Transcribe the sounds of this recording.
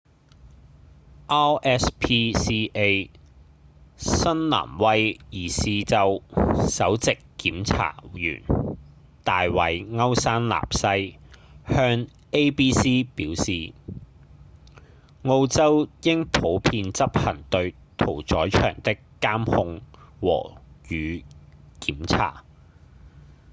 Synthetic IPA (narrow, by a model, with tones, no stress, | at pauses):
ʔaː˥ɛː˦˥spʰiː˥siː˥ʔe˥j | sɐ˥nla̰ː˨˩mwɐ˥jjiː˨˩siː˨t͡sɐ˨wsɐ˨˥wt͡sɪ˨kːiː˨˥mt͡sʰa̰ː˨˩jy̰ː˨˩n | t̪aː˨jwɐ˨˧jŋɐ˥wsaː˥nla̰ː˨psɐ˥jhœː˥ŋ | e˥jpiː˥siː˥piː˨˥wsiː˨ | ŋo˧wt͡sɐ˥wjɪ˥ŋpʰo˨˥wpʰiː˧nt͡sɐ˥p̚hɐ˨˩ŋt̪ɵ˧ɥ | t̪ʰo˨˩wt͡ʃɔː˨˥jt͡ʃʰœ̰ː˨˩ŋt̪ɪ˥kːaː˥mhʊ˧ŋwɔ̰ː˨˩jyː˨˧kiː˨˥mt͡sʰa̰ː˨˩